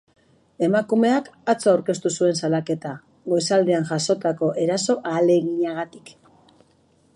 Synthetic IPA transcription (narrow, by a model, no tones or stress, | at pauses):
e̞makume̞akat͡soawɾke̞st̪usue̞nsalake̞t̪a | ɣo̞jsald̪eanʝaso̞t̪ako̞ʔe̞ɾaso̞ʔaːle̞ɣiɲaɣ̞at̪i̥k